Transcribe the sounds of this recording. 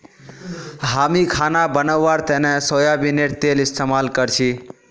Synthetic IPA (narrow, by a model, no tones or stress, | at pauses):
ɦamikʰanabənəwːaɾt̪enẽsojabineʈt̪elɪst̪emalkəɾt͡ʃʰi